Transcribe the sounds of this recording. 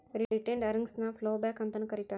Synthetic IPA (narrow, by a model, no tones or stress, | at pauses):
ɾiiʈẽɳɖəɾəŋɡsnaflobɛkɐ̃nt̪ənkəɾit̪a